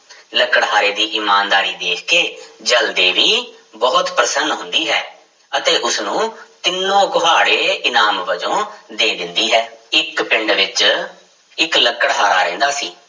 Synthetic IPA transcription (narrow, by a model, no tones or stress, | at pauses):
ləkːəɽɦaːɾeːd̪iːʔiːmaːnd̪aːɾiːd̪eːkʰkeːd͡ʒəld̪eːʋiːbɔːt̪pɾəsənɦʊnd̪iːɦɛː | ət̪eːʔʊsnũːt̪ɪnːõːkʊɦaːɽeːɪnaːmʋəd͡ʒõːd̪eːd̪ɪnd̪iːɦɛːɪkpɪɳɖʋɪt͡ʃ | ɪkləkːəɽɦaːɾa̰ːɾɛ̰̃ːnd̪aːsiː